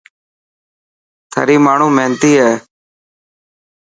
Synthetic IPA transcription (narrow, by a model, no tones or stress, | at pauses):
t̪ʰə̰ːɾiːmaːɳ̤ũːmẽːnt̪iːɦɛː